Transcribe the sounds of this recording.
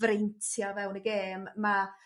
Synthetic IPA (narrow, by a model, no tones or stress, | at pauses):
ɾejntʰjavɛwnəɡeːmːa